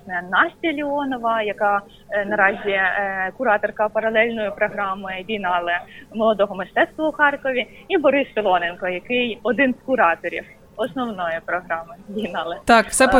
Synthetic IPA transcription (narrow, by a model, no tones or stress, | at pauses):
nɛnɑsʲtʲilʲiɔnɔʋɐjɐkɑ | nɐɾɑzʲikʊɾɑt̪ɔrkɐpɐɾɐlˠɛlʲnɔjʊpɾɔɦɾɑmɪdʲijnɑlˠɐmɔlˠɔd̪ɔɦɔmeʃt̪ɛt̪st̪ʋɐʊxɑrkɔʋʲiibɔɾɪspʲɪlˠɔnenkɔjɐkɪjɔd̪ɪnskʊɾɑt̪ɔɾʲḭw | ɔsnɔwnɔjʊpɾɔɦɾɑmɪbʲijnɑlˠɪt̪ɑkwsɛ